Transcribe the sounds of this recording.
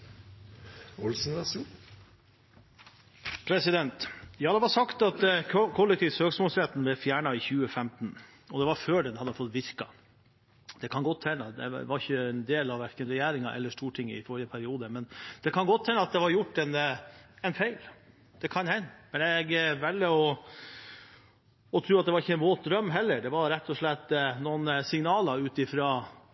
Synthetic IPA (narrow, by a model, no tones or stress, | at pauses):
ɔlsn̩ɑs | pʰɾɛsɪd̪ɛnt̪jɑːd̪ɛʋɑʂɑkt̪ɑt̪kʰɔlːɛk̚t̪ʰiːʋsøːksmɔːlsɾɛt̪ːn̩blɛfjæːɳɑɪçʉːəfɛmt̪n | ɔd̪ɛʋɑɾføːɖɛnhɑd̪ːəfɔt̪ːʋɪɾkɑ | d̪̥ɛkʰɑnɡɔt̪ʰːɛnːəd̪ɛ̰ʋɑɾɪçəɛnd̪eːlɑʋːæɾkənɾɛjæːɾɪŋɑʔɛ̰lːəʂʈuːʈʰɪŋːə̰ɪfɔɾɪjəpʰæɾɪuːd̪əmɛnd̪̥ɛkʰɑnɡɔt̪ʰːɛnəɑt̪̚d̪ɛʋɑɾjʊʈːɛnɛnfæɪl | d̪̥ɛkʰɑnhɛnːmɛnɛɡʋɛlːəɔ | ɔt̪ʰɾʉːɑt̪̚d̪ɛʋɑɾɪçəɛnʋoːt̪̚d̪ɾœmːɦɛlːəɾɖɛʋɑɾɾɛt̪ʰːɔʂɭɛt̪ːnɔnsɪŋnɑːləʉːt̪ɪfɾɑː